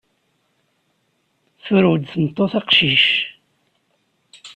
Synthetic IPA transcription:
θʊɾud̪θəmt̪ˤːoθɑqʃiʃ

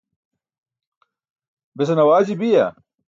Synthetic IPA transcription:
bes̬ɐnɐwaːd͡ʑibija

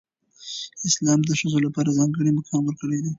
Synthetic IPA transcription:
ɪslɑmd̪əʃəzolapɑɾazɑŋɡəɽiməkɑnwəɾkəɽed̪e

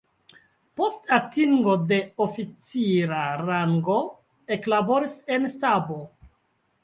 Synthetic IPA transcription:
po̞statiŋɡo̞de̞ofit͡siɾaɾaŋɡo̞ | e̞klabo̞ɾise̞nstabo̞

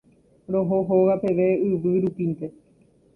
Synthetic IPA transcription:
ɾo̞ɦoɦoʋape̞ʋe̞ɨʋɨɾupint̪e̞

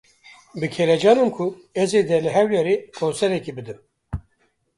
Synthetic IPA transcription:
bɨkʰeɾɛd͡ʒɑːnɨmkʰu | ɛzed̪ɛlɨɦɛwjɛɾekʰonsɛɾɛkibɨd̪ɨm

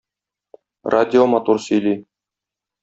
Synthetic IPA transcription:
rʔadʲɪomat̪ursɵ̆jli

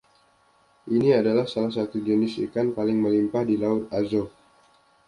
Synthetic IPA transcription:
ʔiniadalahsalas̬at̪ud͡ʒənɪsḭkanpalɪŋməlimpahdilaʊt̪̚azo

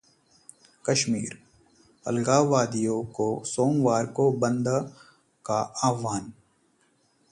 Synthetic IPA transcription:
kəʃmḭːɾ | ɐ̰lɡaːʋaːd̪ijokosoːmʋaːɾkobə̃nd̪ | kaaːʋaːn

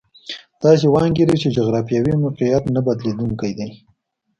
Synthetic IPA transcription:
d̪̥ɑs̬ewɑŋɡeɾit͡ʃed͡ʒoɣɾɑfijɑwimʊqijat̪nabad̪led̪uŋkajd̪aj

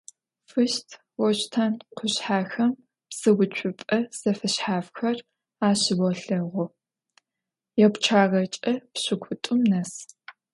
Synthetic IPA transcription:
fɨʃtʰ | wɔɕtʰɐnqʰʷʊɕħaːxɐm | psɨɡʷʊt͡ʃʷʰʼʊpʼɐsɐfɐɕħaːfxɐr | aːɕɪbɔɬɐʁʷʊ | jɛkʷt͡ʃʰaːʁɐt͡ʃʼɐpɕɪkʷʰʊtʼʊmnɐs

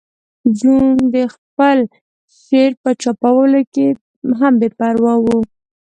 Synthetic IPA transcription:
d͡ʒund̪əxpəl | ʃeɾpət͡ʃapawəloke | ɦambepaɾwawu

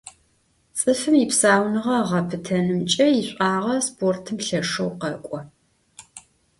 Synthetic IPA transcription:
t͡sʼɨfɨmipsaːwnɨʁɐʁɐpʰɨtʰɐnɨmt͡ʃʼɐjiɕʷʼaːʁɐspʰoːrtʰɨmɬɐʂɐwqɐkʷʼɔ

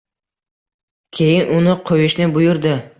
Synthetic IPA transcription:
kʲʰe̞jɪnʔʊnɪqʰojɪʃnɪbʊjʊɾd̪ɪ

